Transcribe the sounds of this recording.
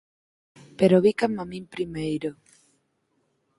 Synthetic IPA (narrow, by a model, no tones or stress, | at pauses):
peɾoβikamamĩmpɾimejɾo